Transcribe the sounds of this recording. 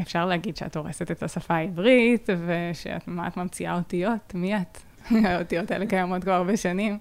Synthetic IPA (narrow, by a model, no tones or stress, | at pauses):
efʃaʁleaɡidʃea̰toʁeset̪etasafaivʁit̪veʃḛa̰tmama̰tmamt͡sia̰otijo̞tmijat | aot̪ijotaelekajamo̞t̪kvaaʁbeʃanim